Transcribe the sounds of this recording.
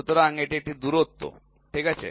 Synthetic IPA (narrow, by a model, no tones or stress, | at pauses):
ut̪əɾaaŋɡeʈeʈid̪uːɾɦot̪ːo̰ | ʈʰikat͡ɕḛ